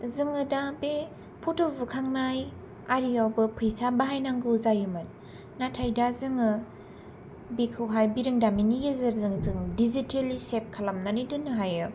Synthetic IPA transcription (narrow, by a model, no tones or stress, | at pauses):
zɯŋɯdabe | pʰutʰobɯkʰaŋnaj | aɾiawbɯpʰɯjsabaɦajnaŋɡɯzajɯmɯn | natʰajdazɯŋɯ | bikʰɯwɦajbiɾɯŋdaminijezɯɾzɯŋzɯŋdizitʰelisep̚kʰalamnanidɯnɯɦajɯ